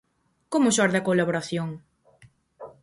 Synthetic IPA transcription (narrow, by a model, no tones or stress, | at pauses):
komʊʃoaɾðeakolaβoɾaθjoŋ